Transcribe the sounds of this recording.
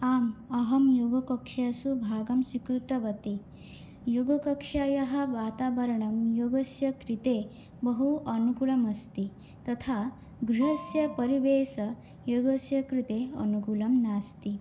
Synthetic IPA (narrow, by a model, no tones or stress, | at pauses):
aːmɐɦɐmjoɡɐkɐkʂasubʱaːɡɐmsikɾut̪ɐʋɐt̪i | juɡɐkɐkʂaːjɐɦɐʋaːt̪aːʋɐɾɐɳɐmjoɡɐsjɐkɾit̪e | bɐɦuʔɐnukuɭɐmɐst̪i | t̪ɐt̪ʰa | ɡɾiɦɐsjɐpɐɾiʋeːsɐ | joɡɐsjɐkɾit̪eɐ̰nukulɐmnaːst̪i